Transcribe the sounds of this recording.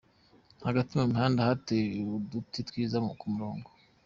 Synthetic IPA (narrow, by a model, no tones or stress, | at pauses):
haɡatimamihaːndahateudutitwiːzamukumuɾoːŋɡo